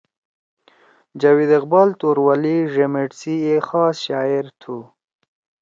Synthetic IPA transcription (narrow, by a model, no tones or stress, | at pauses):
d͡ʒawid̪ɪqbɑlt̪oɾwaliʐemeʈsiexɑːsʃɑɪɾt̪ʰu